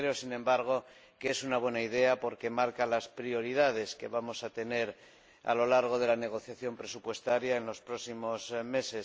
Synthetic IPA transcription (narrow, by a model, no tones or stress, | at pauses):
ɾe̞osinẽ̞mbaɾɣ̞o̞ | keesunaβwe̞naiðe̞apo̞ɾke̞maɾkalaspɾio̞ɾið̞að̞e̞ske̞βamo̞sat̪e̞ne̞ɾ | a̰lo̞laɾɣ̞o̞ð̞e̞lane̞ɣ̞o̞θjaθjo̞mpɾe̞supwe̞st̪aɾjae̞nlo̞spɾo̞simo̞zme̞se